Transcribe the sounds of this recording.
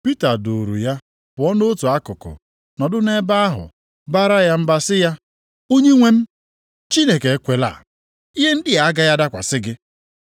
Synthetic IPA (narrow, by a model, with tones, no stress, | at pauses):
pi˦ta˨do˨ɾṵ˨ja˦ | b̥ʊ˨ɔ˦no˦tu˨a˦kʊ˨kʊ̰˨ | nɔ˨dʊ˦ne˦ba˦a˦ɦʊ̰˨ | ba˦ɾa˦ja˦m̩˦ba˦sɪ˦ja˦ | o˦ɲe˦ŋʷe˦m̩˦ | t͡ʃi˦ne˨ke˨e˦kʷe˨la̰˨ | i˦ɦe˦n̩˦dɪ˦a˨˦ɡa˦ja˦da˦kʷa̰˨sɪ˦ɡɪ˦